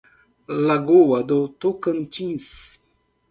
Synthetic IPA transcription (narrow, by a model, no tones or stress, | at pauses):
laɡowad̪ot̪okənt͡ʃins